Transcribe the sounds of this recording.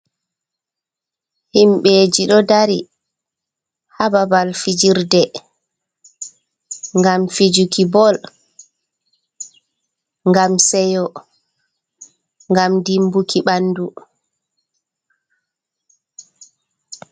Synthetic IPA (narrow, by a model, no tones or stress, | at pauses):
himɓɛd͡ʒiɗɔdaɾi | hababalfid͡ʒiɾdɛ | ŋɡamfid͡ʒukibɔl | ŋɡamsɛjɔ | ŋɡamdimbukʰiɓandu